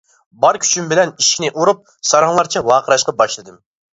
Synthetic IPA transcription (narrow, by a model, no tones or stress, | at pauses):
bɑɾkʲʰy̥t͡ʃʰymbɪlɛniʃkʲinɪʔuɾup̚ | sɑɾɑŋlˠɑɾt͡ʃʰɛwɑːqʰəɾɑʃqɑbɑʃlˠɨd̪ɨm